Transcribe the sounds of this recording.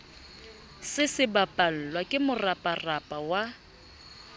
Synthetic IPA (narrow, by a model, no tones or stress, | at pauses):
sɪsɪbapʼal̩lwakʼɪmʊrapʼarapʼawa